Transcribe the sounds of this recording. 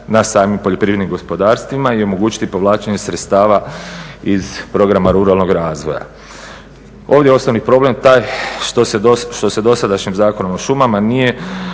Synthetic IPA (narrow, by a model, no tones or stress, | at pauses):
nasaːmimpoʎo̞pɾiʋɾed̪nimɡo̞spo̞d̪aːɾst̪ʋimaio̞mo̞ɡuːt͡ʃi̥t̪ipo̞ʋlˠaːt͡ʃeɲe̞sɾet̪st̪aːʋa | izpɾo̞ɡɾamaɾuɾalˠno̞ɡɾaːzʋo̞ja̰ | o̞ːʋd̪ʲjeo̞snonipɾo̞ble̞mt̪aːjt̪oseoʃt̪o̞se̞d̪o̞sad̪aʃɲimzaːko̞nomoʃumamanije̞